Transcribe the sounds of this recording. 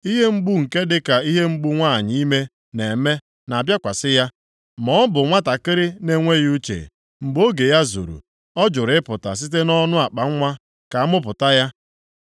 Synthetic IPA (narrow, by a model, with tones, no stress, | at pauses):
i˦ɦe˦m̩˦ɡ͡bu˦ŋ̩˨ke˦dɪ˦ka˨i˦ɦe˦ŋ͡m̩˦ɡ͡bu˦ŋʷa˦˨ɲɪ˦i˦me˦ | ne˨me˦ | na˨bja˦kʷa˨sɪ˦ja˦ | mɔ˦bʊ˨ŋʷa˦ta˨kɪ˦ɾɪ˦ne˦ŋʷe˦ju˦t͡ʃḛ˨ | ŋ͡m̩˨ɡ͡bo˦ɡe˨ja˦zṵ˨ɾṵ˨ | ɔ˦d͡ʒʊ˨ɾɪ˦pʊ˨ta̰˨s̬i˦t̬e˦nɔ˦nʊ˦a˨k͡pa˨ŋ̩˦ŋʷa˦ | ka˨a˦mʊ˦p̬ʊ˨ta˦ja˦